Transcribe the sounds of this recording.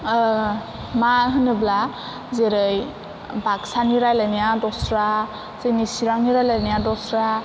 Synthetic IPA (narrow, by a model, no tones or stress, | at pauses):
maɦɯnɯbla | zeɾɯj | baksaniɾajlajnijadɔsɾa | zɯjnisiɾaŋniɾajlajnijadɔsɾa